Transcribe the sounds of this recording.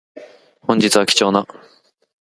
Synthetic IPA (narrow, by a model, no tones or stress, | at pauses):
hõɲ̟d͡ʑit͡sɨβakʲi̥t͡ɕo̞ːna